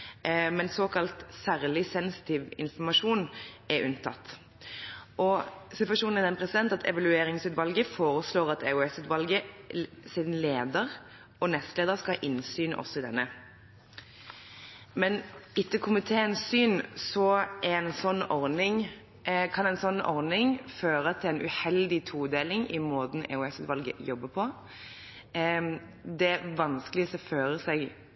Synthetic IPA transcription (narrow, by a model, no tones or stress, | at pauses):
mɛnsoːkɑlt̪sæːʁlɪsɛnsɪ̥t̪ʰiːʋɪnfɔmɑʂuːnɛʔʉnt̪ʰɑ̰t̪ː | ʔɔsɪt̪ʋɑʂuːnn̩ɪd̪ɛnpʰʁɛsɪd̪ɛnt̪ɑt̪ʰɛ̰ʋɑlʉeːɾɪŋsʉːt̪ʋɑlɡəfoːɾəsloːʁɑt̪ɛʊɛsʉːt̪ʋɑlɡəsɪd̪n̩leːd̪əʁ | ɔnɛst̪leːd̪əʁskɑʔɪnsyːnʔɔ̰sːɔɪd̪ɛ̰nːə | mɛnɪt̪ːəkʰʊmɪt̪ʰeːɛnsyːnsɔɛɛnsɔnːɔɾnɪŋ | kʰɑnɛɪnsɔnːɔʁnɪŋføːɾət̪ʰɪlɛɪnʔʉ̰hɛld̪ɪt̪ʰuːd̪eːlɪŋɪ̰moːt̪n̩ʔɛ̰ʊɛsʉːt̪ʋɑlɡə̰jɔbːəpʰɔ | d̪ɛʋɑnskəlɪəsɔføːɾəsɛɡ